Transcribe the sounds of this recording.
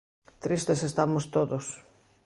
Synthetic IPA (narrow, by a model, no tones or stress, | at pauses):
t̪ɾist̪esest̪amʊst̪oðos